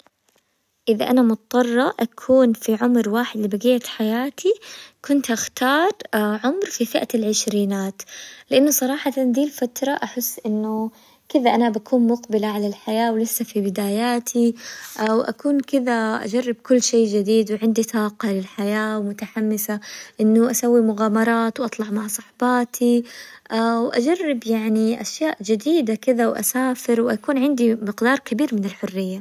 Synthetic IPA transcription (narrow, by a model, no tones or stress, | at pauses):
ʔɪðaʔanamʊt̪t̪ˤːɑrˤːɑʔakʰuːnfiʕʊmɾwaːħɪd̪lɪbaɡiːat̪ħajaːt̪ʰikʊnt̪ʔaxt̪ɑːɾˤʕʊmɾfifɪʔaalʕɪʃɾiːnaːt̪lɪʔanːʊsˤɑɾˤɑːħɑtand̪iːlfat̪ɾˤɑʔaħɪsːʔɪnːʊ | kɪðaʔanabakʰuːnmʊqbɪlaʕalalħajaːwlɪsːafibɪd̪aːjaːt̪ʰiʔawʔa̰kuːnkɪðaʔa̰d͡ʒarˤːɪb̚kʊlːʃeːd͡ʒɪd̪iːd̪wʕɪnd̪it̪ˤɑːqɑlɪlħajaːwmʊt̪aħamːɪsaʔɪnːʊʔasawːimʊɣaːmɑɾˤɑːt̪wʔɑt̪ˤlɑʕmaʕsˤɑħbɑːt̪ʰiʔawʔad͡ʒarˤːɪbjaʕniʔaʃjaːʔd͡ʒɪd̪iːd̪akɪðawʔa̰saːfɪɾwʔakuːnʕɪnd̪imɪqd̪ɑːɾˤkabiːɾmɪnɪlħʊrːɪjːa